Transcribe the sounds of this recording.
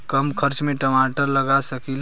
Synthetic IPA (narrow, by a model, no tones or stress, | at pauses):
kəmkʰəɾt͡ʃmeʈəmaʈəɾləɡasəkil